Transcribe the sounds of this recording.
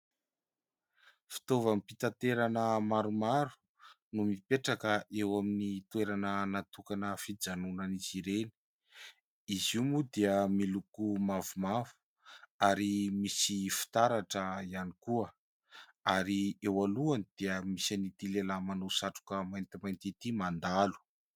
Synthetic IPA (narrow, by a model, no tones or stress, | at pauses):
fi̥t̪ovamipit̪at̪eɾanəmaɾumaɾu̥ | numipeʈ͡ʂakəʔewaminit̪weɾanənat̪ukanəfid͡zanunaniziɾeni̥ | izimud̪eəmilukumavumavu̥ | aɾimisifi̥t̪aɾaʈ͡ʂəianikuə | aɾiewaluanid̪̥eəmisanit̪ilelamanosaʈ͡ʂu̥kəmajnt̪imajnt̪it̪imand̪alu̥